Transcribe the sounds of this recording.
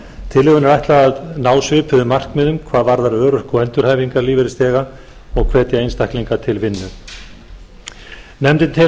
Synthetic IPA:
t̪ʰɪlɪɣʏnɛɾajht̪laðnaːwsvʏːpʰʏðʏmar̥kmɛðʏmkʰvaːðvaɾðaɾœːɾʏhkɔɛnt̪ʏɾ̥haːjviŋkaɾliːvɪɾɪst̪ɛːɣa | ɔɣkʰvɛːt̪ɪejnst̪ajhkliŋkat̪ʰɪlvɪnːʏ | nɛmt̪ɪnt̪ʰɪ

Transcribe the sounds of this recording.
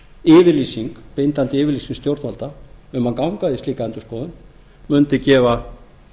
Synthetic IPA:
ɪːvɪɾliːsiŋkpejnt̪ant̪ɪɪːvɪɾliːsiŋst̪jowɾt̪alt̪aʏmhankawŋkaðɪst̪liːkaɛnt̪ʏ̥skɔːðʏn | mʏnt̪ɪcɛːva

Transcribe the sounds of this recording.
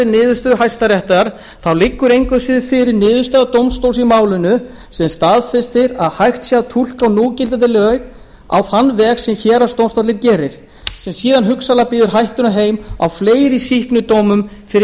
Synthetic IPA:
ɪnɪːðʏst̪œðɦajst̪aɾjɛht̪aðaɾ̥ | θawlɪkːʏɾejŋkʏsɪðʏfɪɾɪɾnɪːðʏst̪œðat̪owmst̪owlsimaːwlʏnʏ | sɛmst̪aːðfɪst̪ɪɾaðhajxt̪sjaðt̪ʰul̥kawnuːcɪlt̪at̪̬ɪlœɣ | a̰whanːvɛːɣsɛmçɛːɾḁst̪owmst̪ɔt̪lɪɾcɛːɾɪɾ̥ | sɛmsiːðanɦʏksalapiːðʏɾ̥ɦajht̪ʏnaɦeːjma̰wfleːjɾɪsihknʏt̪oːwmʏmfɪɾ

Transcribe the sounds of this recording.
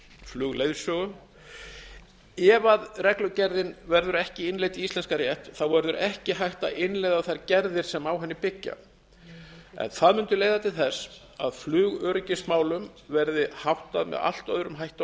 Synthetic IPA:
flʏːɣlejðsɔɣʏ | ɛvaðrɛklʏcɛɾðɪnvɛɾðʏɾɛhcɪɪnlejt̪iist̪lɛnskaɾjɛht̪θawvɛɾðʏɾɛhcɪɦajht̪aʔɪnlejðawθaɾcɛɾðɪɾ̥sɛmawɦɛnːɪpɪcːa̰ | ɛ̰nθaðmʏnt̪ʏleːjðat̪ʰɪlθɛs | aðflʏːɣœɾʏcɪsmaːwlʏmvɛɾðɪhawht̪aðmɛ̰ða̰l̥t̪œðɾʏmɦajht̪a

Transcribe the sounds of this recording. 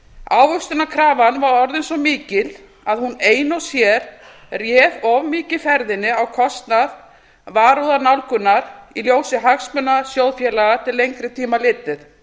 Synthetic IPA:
aːwvʏst̪ʏnakʰɾaːvanvaɾɔɾðejnsɔmiːcɪl | aðhuneːjnɔwsjɛɾ̥ | rjɛːvɔvmɪːcɪfɛɾðɪnːɪawkʰɔst̪nað | vaːɾoðanawlkʏnːaɾiljoːwsɪɦaxsmʏnːasjowðfjɛlaɣat̪ʰɪlːejŋkɾɪt̪ʰiːmalɪːt̪ɪθ

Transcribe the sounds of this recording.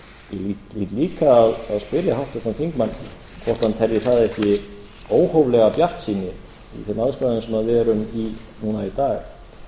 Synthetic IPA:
jɛlilit̪liːkaːðaðspɪɾjahawht̪ɛ̥t̪anfiŋkmanː | kʰvɔr̥t̪hant̪ʰɛɾjɪθaðɛhcɪ | oːwhowvlɛɣapjar̥t̪siːnɪ | ḭθemawðst̪aðʏnsɛmaðɛɾʏmi | nuːnait̪aːɣ

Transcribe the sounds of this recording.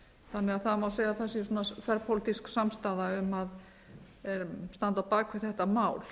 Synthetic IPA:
θanːɛaðθaðmawseːjɣaθasjɛsunaθvɛɾpʰowlɪt̪isksamst̪aːðaʏmað | ɾst̪ant̪apaːkvʏɾ̥θɛht̪amaːwl

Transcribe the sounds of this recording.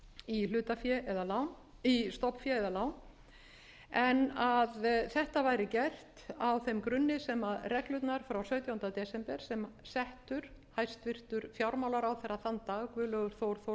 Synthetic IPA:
ilʏːt̪afjɛɛðalawn | ist̪ɔpfjɛɛðalaːwn | ɛnaðθɛht̪avaːjɾɪcɛr̥t̪awθejmkɾʏnːɪsɛmaðrɛklʏt̪naɾ̥fɾawsœːɥt̪jawʏnt̪at̪ɛsɛmpɛɾ̥sɛmsɛht̪ʏɾ̥hajst̪vɪr̥t̪ʏɾ̥fjawɾmawlaɾawθɛraθant̪aɣkvʏːlœːɣʏɾ̥θowɾθo

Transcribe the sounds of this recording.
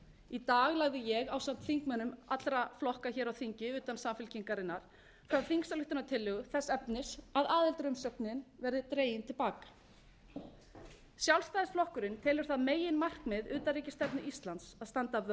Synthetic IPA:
it̪aːɣlaɣðɪjɛɣawsam̥t̪θiŋkmœːnʏmat̪lɾaflɔhkaçɛːɾawθiɲcɪʏːt̪ansaːmfɪlciŋkaɾɪnːaɾ̥ | fɾawθiŋksalʏht̪ʏnat̪ʰɪlːʏɣʏθɛsːɛpnɪsaðaːðɪlt̪ɾœmsœp̚nɪnvɛɾðɪt̪ɾeːjɪnt̪ʰɪlpaːkḁ | sjawlst̪ajðɪsflɔhkʏɾɪnt̪ʰɪːlʏɾ̥θaðmeːjɪnmar̥kmɪðʏːt̪aɾiːcɪst̪ɛpnʏʔist̪lant̪saðst̪ant̪av

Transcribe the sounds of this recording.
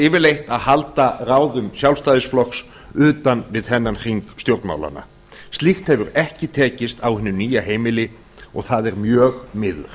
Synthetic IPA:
ɪːvɪɾlejht̪aðhalt̪araːwðʏmsjawlst̪aːjðɪsflɔks | ʏːt̪anvɪðhɛnːanr̥iŋkst̪jowɾt̪nma̰wla̰na̰ | st̪lixt̪hɛvʏɾɛhcɪt̪ʰɛːcɪst̪awhɪnːʏniːjaɦeːjmɪlɪ | ɔɣθaðɛɾmjœːɣmɪðʏ̰ɾ̥

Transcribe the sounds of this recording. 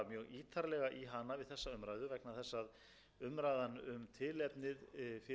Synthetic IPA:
mjœːɣiːt̪ʰaɾlɛɣaʔiɦanavɪðθɛsːaʏmɾajðʏvɛknaθɛsːað | ʏmɾajðanʏmt̪ʰɪlɛpnɪðfɪ

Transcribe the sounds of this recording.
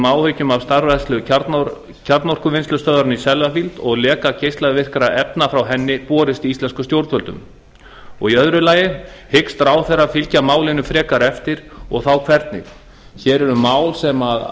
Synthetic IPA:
maːwhœɥcʏmavst̪aɾvɛst̪lʏn | cʰaɾt̪nɔr̥kʏvɪnst̪ʏst̪œːðaɾnisɛlvafilt̪ɔɣlɛːkacejst̪aðvɪr̥kaɾaʔɛpnafɾawɦɛnːɪpɔːɾɪst̪iist̪lɛnskʏst̪jowɾt̪fœlt̪ʏ̰m | ɔ̰ɣiœðɾʏlaːjɪ | hɪkst̪ɾaːwθɛrafɪlcamaːwlɪnʏmfɾɛːkaɾɛft̪ɪɾ̥ɔɣθawkʰvɛɾt̪nɪ̰ | çɛːɾɛɾʏmaːwlsɛmað

